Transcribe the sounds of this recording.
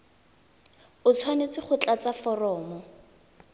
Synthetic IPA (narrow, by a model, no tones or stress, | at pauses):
ʊt͡sʰwanet͡sɪχʊt͡ɬʼat͡safɔrɔːmɔ